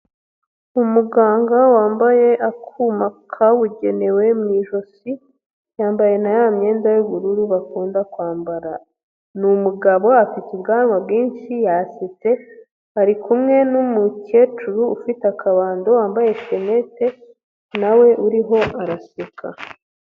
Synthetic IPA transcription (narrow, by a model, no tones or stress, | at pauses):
umuɡaːŋɡawaːmbaje̞ʔakʰumakʰawuɟe̞ne̞we̞mŋiːʒo̞si | jaːmbaje̞najaːmɲe̞ːndajuβuɾuɾuβakuːndakwaːmbaɾa | numuɡaβo̞afitibɡaːnwabɡiːnʃijasete̞ | aɾikumŋe̞numuce̞ːt͡ʃuɾuːfitakʰaβaːndowaːmbaje̞ʃe̞ne̞te̞ | nawe̞ʔuɾiɦo̞ʔaɾasekʰa